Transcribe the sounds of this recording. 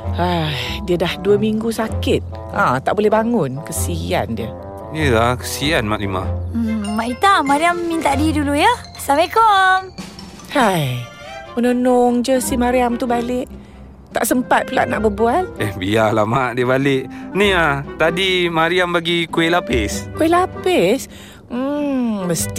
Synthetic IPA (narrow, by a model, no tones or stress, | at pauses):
adiədahduəmiŋɡusakɪt̪̚ | ʔãt̪aʔbolɛhbaŋʊnkəsia̰ndiə | dəakə̥sianma̰ʔlima̰maʔit̪amaɾiamːint̪adidulujə | samekom | haj | mənonɔŋd͡ʒəsihmaɾiamt̪ubalɪʔ | t̪a̰ʔsəmpat̪̚pula̰ʔnaʔbəbualɛhbialamaʔdiəbalɪʔniat̪adimaɾiambaɡikuelapɪskuelapɪs | m̩məst̪i